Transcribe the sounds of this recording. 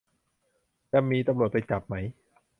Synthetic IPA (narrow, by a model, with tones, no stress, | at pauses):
t͡ɕa˧mːiː˧t̪a˧mɾu˨ət̪̚pa˧jt͡ɕa˨˩p̚ma˦˥j